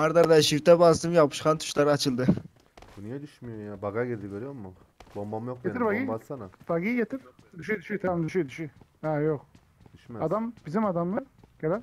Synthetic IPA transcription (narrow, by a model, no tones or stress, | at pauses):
haɾd̪aɾd̪aʃiɾt̪ʰɛbazd̪ɯmjapʰɯ̥ʃqʰant̪ʰu̥ʃlˠaɾɯat͡ʃʰɯlˠd̪ɯ | bunijed̪yʃmijojabaɡaɡed̪iɡʲøɾijoɾmːu | bombamjok̚eiɾbaɡiasanabaɡiɡet̪ʰiɾd̪yʃyd̪yʃit̪ʰɾad̪yʃyd̪yʃyhajok | d̪yʃmɛad̪ambizimad̪amlˠɯɾɡ̥ela